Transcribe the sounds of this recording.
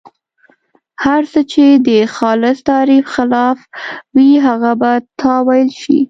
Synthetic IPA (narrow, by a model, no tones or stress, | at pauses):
haɾsət͡ʃed̪əxɑlɪst̪ɑɾifxɪlɑfwiɦaɣabat̪ʰɑwajəlʃḭ